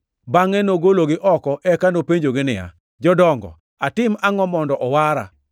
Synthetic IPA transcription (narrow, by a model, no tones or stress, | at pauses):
baŋɛnoɡoloɡɪʔɔkɔʔɛkanopeɲd͡ʒoɡɪnɪja̰ | d͡ʒɔdɔŋɡɔ̰ | atɪmaŋɔmɔndɔʔɔwaɾa̰